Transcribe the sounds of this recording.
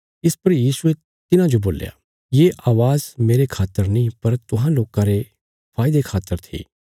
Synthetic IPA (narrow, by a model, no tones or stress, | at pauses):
ɪspɐɾjiːsue | t̪ɪnãd͡ʒoboːlja̰ | jeːʔaːʋaːzmeːɾekʰaːt̪ːəɾnɐĩpɐɾt̪ʊɦãloːkãɾe | pʰaːɪd̪ekʰaːt̪ːəɾt̪ʰḛː